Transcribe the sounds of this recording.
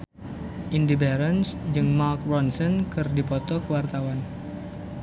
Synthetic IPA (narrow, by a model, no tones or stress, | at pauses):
ʔindibɛɾənsd͡ʒɨŋmark̚rɔnsɔnkɨrdipɔt̪ɔkəwart̪awan